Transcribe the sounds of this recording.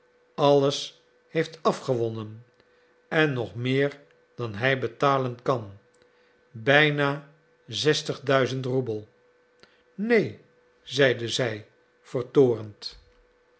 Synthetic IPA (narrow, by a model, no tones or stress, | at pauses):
ɑləs | hejftɑfχəʋɔnən | ɛnːɔχmɪːɹ | d̥ɑnɦɛjbətaːlənkɑn | bɛjnaː | zɛstəχdœɥzəntrubəlˠ | nej | zɛjdəzɛj | v̥əɹtoːrənt